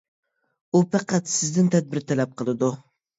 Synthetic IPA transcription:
upʰɑqʰæt̪sɪzd̪ɪnt̪ʰɛd̪̚bɪɾt̪ʰɛlɛp̚qʰəlˠɨd̪u

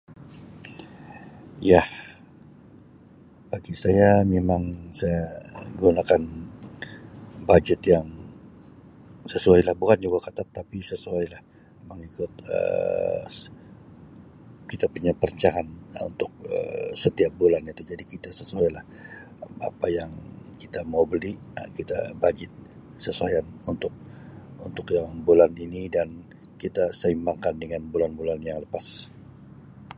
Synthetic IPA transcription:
jah | b̥aɡisajamemaŋsajaɡunakan | bad͡ʒɛt̪jaŋ | səsuajlahbukand͡ʒuɡakat̪at̪ːapisəsuajlah | memaŋikʊt̪̚ə̰ | kit̪apuɲapəɾəɲt͡ʃaɦanṵnt̪ʊk̚ə̰sət̪iap̚bulanit̪ud͡ʒadikit̪asəsuajlah | a̰pajaŋkit̪amaubəliə̰kit̪a̰bad͡ʒɪt̪̚ | səsuajanunt̪ʊk̚unt̪ʊkjaŋbulaninidan | kit̪asəimaŋkandəŋanbulanbulanjaŋləpas

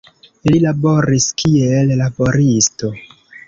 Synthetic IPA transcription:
lilaboɾiskʰielːabo̞ɾisto̞

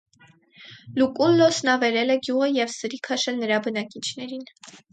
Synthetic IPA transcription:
lukʼulːɔsnɑvɛɾɛlɛɡjuʁəjɛvsəɾikʰɑʃɛnəɾɑbənɑkit͡ʃʰnɛɾin

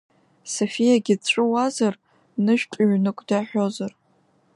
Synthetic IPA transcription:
sofijaɡʲɪt͡ɕʷʼɨwazar | nɨʒᶣtʼɥnɨkʷʼdaħʷᶣo̞zar

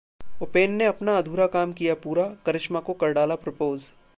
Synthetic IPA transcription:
opeːnːeɐpnaɐd̪ʱuːɾakaːmkijapuːɾakɐɾɪʃmakokɐɾɖaːlapɾopoːz

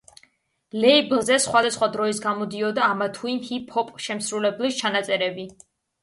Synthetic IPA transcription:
lɛiblˠzɛsχwad̪asχwad̪ɾɔisɡamɔd̪iɔd̪aːmat̪ʰuinhipʰɔpʼʃɛmsɾulɛblist͡ʃʰanat̪sʼɛɾɛbi

